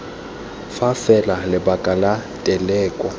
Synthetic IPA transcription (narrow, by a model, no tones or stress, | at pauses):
fafɛlalɪbakʼalatʼɛlɛːkʼɔ